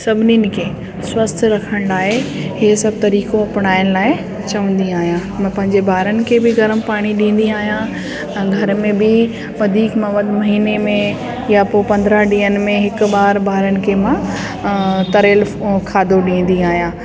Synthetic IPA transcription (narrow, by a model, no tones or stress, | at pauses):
sɐbʱɪninɪ̆kʰeː | swɐst̪ʰɾɐkʰəɽ̃laːɦeɦeːsɐb̚t̪ɐɾiːkoɐpɽ̃aːɪñlaːɪ | t͡ɕɐʋə̃nd̪iaːɦijãmɐ̃ːpɐ̃ɦɪ̃ɲd͡ʑebaːɾənɪ̆kʰeːbɪɡɐɾəmpaːɽ̃iɗĩːn̆d̪iaːɦijã | ɛ̃ːɡʱɐɾmẽbɪ | ʋɐd̪ʱiːkmɐ̃ʋɐd̪mɐɦiːnemẽ | japoːpɐ̃nd̪ɾəɦɗĩːənɪ̆mẽɦɪkʊɓaːɾbaːɾənɪ̆kʰeːmã | t̪ɐɾeːlfkʰaːd̪oɗĩːn̆d̪iaːɦijãː